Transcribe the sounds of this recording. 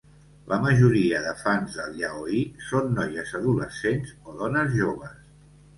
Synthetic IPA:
lʔəməʒuɾiəðəfanzðəlˠʎaoisonːɔjəzəðuləsenzoðɔnəzʒoβ̞əs

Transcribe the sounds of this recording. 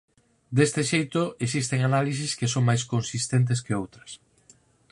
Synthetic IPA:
d̪est̪ɪʃejt̪oes̬ist̪eŋanalis̬iskesoŋmajs̬kõnsist̪ent̪̬ɪskeowt̪ɾɐs

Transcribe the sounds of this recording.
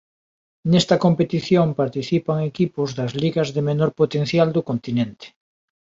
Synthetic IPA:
nɛst̪ɐkompet̪iθjompaɾt̪iθipɐŋekipʊzðɐzliɣɐzðɪmenoɾpot̪en̟θjald̪ʊkont̪inẽnt̪e̥

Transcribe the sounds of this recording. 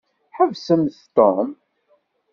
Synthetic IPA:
ħəvsəmθt̪ːom

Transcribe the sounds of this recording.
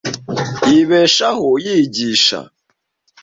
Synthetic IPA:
iβɛʃahojiɟiʃa̰

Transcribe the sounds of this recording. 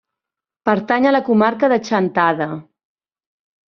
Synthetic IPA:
pəɾt̪aɲələkumaɾkəðət͡ʃənt̪aðə

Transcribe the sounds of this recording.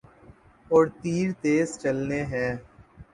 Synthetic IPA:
ɔːɾt̪iːɾt̪eːzt͡ʃəlneːɦɛː

